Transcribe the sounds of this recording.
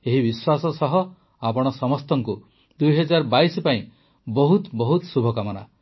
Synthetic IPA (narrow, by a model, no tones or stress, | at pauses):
eɦibiswasɔsɔɦɔ | apɔɽ̃ɔsɔmɔst̪ɔŋku | d̪ujɦɔd͡ʒaɾɔbaisɔpaĩ | bɔɦut̪bɔɦut̪subʱɔkamɔna̰